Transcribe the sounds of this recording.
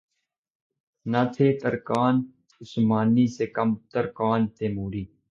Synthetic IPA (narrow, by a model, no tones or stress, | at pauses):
naːt̪ʰeːt̪əɾkaːn | ʊsmaːniːseːkəmt̪əɾkaːnt̪eːmuːɾiː